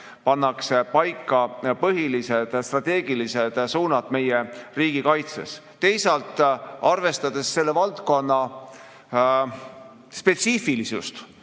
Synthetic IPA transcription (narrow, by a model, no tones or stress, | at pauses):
pɑnːɑksepɑjkːˑɑpɤɦilised̪̥st̪rɑt̪ˑe̞ːɡ̥ilise̞d̪̥suːnɑd̪̥me̞jeriːɡ̥ikɑjt̪se̞̰s | t̪e̞jsɑlt̪ːˑɑrve̞st̪ɑd̪̥e̞sːe̞lːe̞vɑlt̪ko̞nːɑ | spe̞t̪sifilisṵst̪